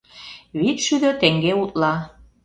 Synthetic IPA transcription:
βit̪ʃyðøt̪eŋɡeut̪lɑ

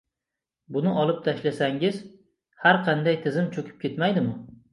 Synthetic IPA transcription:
bʊnɪʔɒlˠɪp̚t̪ʰaʃlasaŋɪz | haɾqʰɑnd̪ajt̪ʰɪzɪmt͡ʃʰɵkʲʰɪp̚kʲe̞t̪majd̪ɪmʊ

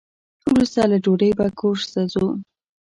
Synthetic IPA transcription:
wɾust̪alaɖoɾəjbakʰoɾst̪azu

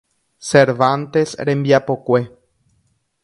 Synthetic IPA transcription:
seɾβant̪esɾembjapokwe

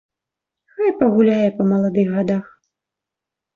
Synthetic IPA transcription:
xajpɐɣulʲajɛpɐmɐlˠad̪ɨɣɣad̪ax

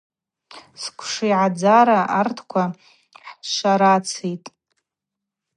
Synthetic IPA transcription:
skʷʰʂijʕad͡zaɾaʔartʰkʷʰa | ħʃaɾat͡sʰetʼ

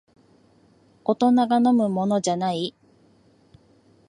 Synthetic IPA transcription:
o̞t̪o̞naɡano̞mɯ̟mo̞no̞d͡ʑanai

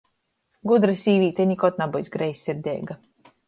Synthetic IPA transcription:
ɡud̪ɾɨsʲiːvʲiːt̪ʲɛɲikɔt̪̚nabɔjsɡɾɛjsʲːiɾd̪ʲɛ̰ːɡa

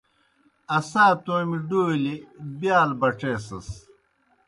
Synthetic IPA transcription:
ɐsaːt̪oːmiɖoːlibjaːlbɐʈ͡ʂeːsɐ̰s

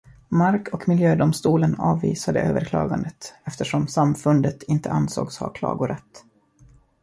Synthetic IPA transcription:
maɾkʰɔkmɪljøːd̪ʊmst̪uːlənɑːvːḭːsad̪əʔøːvəɾkʰlɑ̰ːɡand̪ət̪ɛft̪əʂɔmsamfɵnd̪ət̪ɪnt̪ʰəansoːɡshɑ̰kʰlɑ̰ːɡʊɾɛt̪ː

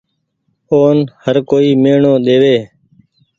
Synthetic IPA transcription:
oːnhəɾkoːiːmeːɳõːɗ̪eːʋeː

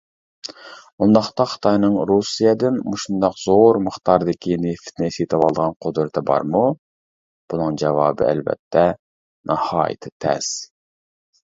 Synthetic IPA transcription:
und̪ɑχt̪ɑχɨ̥t̪ʰɑjnɨŋɾusijɛd̪ɪnmuʃund̪ɑqz̥oɾməχt̪ɑɾd̪ɪkʲʰineft̪ʰnɪset̪ʰɨwɑlˠd̪əʁɑnqʰod̪ɾɨt̪ʰɨbɑ̰ɾmu | b̥unɨŋd͡ʒɛvɑːbɨ̰æ̰lvɛ̰t̪ʰːɛ | nʔɑhɑ̰ːjɪ̰t̪ʰɪt̪ʰɛ̰s

